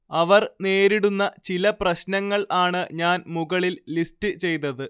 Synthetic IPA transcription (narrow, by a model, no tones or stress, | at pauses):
ɐʋɐrne̞ːɾiɽunːɐt͡ɕilɐprɐɕnɐŋːɐɭaːɳɨɲaːnmuɣɐɭilːistɨt͡ɕe̞jt̪ːɐðɨ